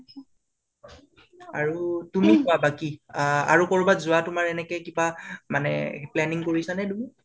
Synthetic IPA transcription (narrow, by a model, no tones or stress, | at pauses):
a̰ɹutumikʊabakia̰ɹukoɹubazʊwatʊmaɹɛnɛkɛkibamanɛ̰plɛniŋkoɹisanɛdumi